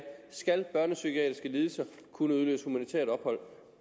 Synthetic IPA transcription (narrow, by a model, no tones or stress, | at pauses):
sɡ̥ælb̥ɶɐnəsykʰiɛ̰ːd̥ʁisɡ̥əliːð̞ˠəsɑkʰunəuðˠlø̰ːsəhumænit͡sʰḛɐ̰d̥ɒ̽b̥hɒ̽l̰